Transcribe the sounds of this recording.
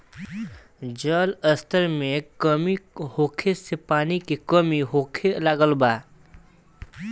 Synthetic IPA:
d͡ʒəːləst̪ʰəɾmẽkəmihoːkʰesepaːnikekəmiɦoːkʰelaɡəlbaː

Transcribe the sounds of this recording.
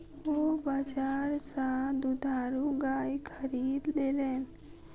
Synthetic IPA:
ʋobaːd͡ʒaːɾsãd̪ud̪ʱaːɾũɡaːjkʰəɾiːd̪leːleːn

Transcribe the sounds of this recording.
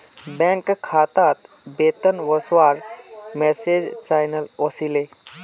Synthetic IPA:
bɛ̃ŋkːkʰat̪at̪ | bet̪ənwəswaɾmɛsed͡ʒt͡ʃajnəlosile

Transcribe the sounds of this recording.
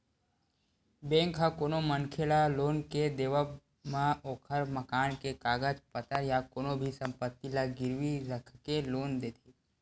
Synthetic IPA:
bẽːŋkʰakoːnoməŋkʰelaloːnked̪eːʋə | mãoːkʰəɾməkaːnkekaːɡəd͡ʒpət̪əɾjakoːnobʱisə̃mpət̪ːilaɡɪɾʋiɾəkʰkeloːnd̪eːt̪ʰiː

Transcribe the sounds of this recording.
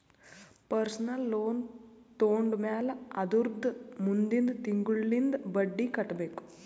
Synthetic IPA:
pɐɾsɐnɐlːoːnt̪oːɳɖmaːlɐɐd̪uɾd̪ʱmund̪ind̪t̪iŋɡuɭːind̪ɨbɐɖːikɐʈːɐbeːku̥m

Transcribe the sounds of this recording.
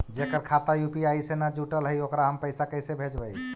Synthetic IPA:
d͡ʒekəɾkʰat̪ajupiaisenad͡ʒuʈəlɦəjokɾaɦəmpəɪsakəjsebʱed͡ʒbəj

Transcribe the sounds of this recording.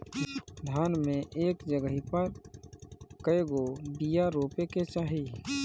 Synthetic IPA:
d̪ʱaːnmẽʔeːkd͡ʒəɡəɦipəɾ | kəeɡobijaɾoːpeket͡ʃaːɦiː

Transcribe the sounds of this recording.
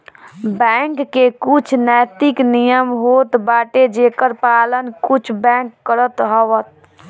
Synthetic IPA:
bɛŋkːekut͡ʃʰnɛːt̪iknijəmɦot̪baːʈed͡ʒekəɾpalənkut͡ʃʰbɛ̃ŋkːəɾət̪ɦəʋət̪̚

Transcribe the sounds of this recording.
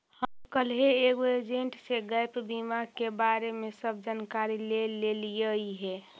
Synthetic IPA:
həmkəlɦeeɡoed͡ʒẽɳʈseɡəjpbimakebaɾemesəb̚ʱd͡ʒankaɾileleliəiɦɛ

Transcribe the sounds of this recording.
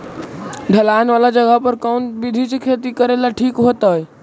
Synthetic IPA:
ɖʱəlaːnʋaːlad͡ʒəɡəpəɾkaunbid̪ʱit͡ʃekʰet̪ikəɾelaʈʰiːkɦot̪aːj

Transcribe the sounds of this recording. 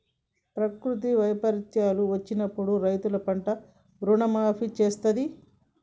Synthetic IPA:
pɾɐkɾut̪̬iʋɐjpɐɾit͡ʃaːluʋɐt͡ʃːinɐpːuɽuɾɐjt̪ulɐpɐɳʈɐ | bɾuɳɐmaːpʰit͡ʃeːst̪ɐd̪i

